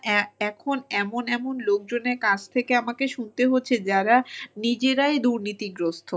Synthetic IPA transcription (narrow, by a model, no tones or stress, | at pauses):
ɛkʰonɛmonɛmonlok̚d͡ʑoneɾkad͡ʑʰt̪ʰekeamakeʃunt̪eɦotːɕʰed͡ʑaɾanid͡ʑeɾaed̪uɾnit̪iɡɾost̪ʰo